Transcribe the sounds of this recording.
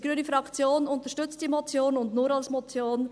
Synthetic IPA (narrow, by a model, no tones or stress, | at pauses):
iɡɾyːnəfɾɑkt͡sjoːnʊntəʃtʏt͡st̚d̥imot͡sjoːnʊndnuːɾɑlsmot͡sjoːn